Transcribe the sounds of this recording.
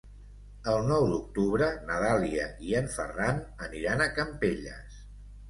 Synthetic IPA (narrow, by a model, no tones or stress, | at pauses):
əlˠnɔwd̪uk̚t̪uβɾənəðaliəiəɱfə̰ranəniɾanəkəmpeʎə̰s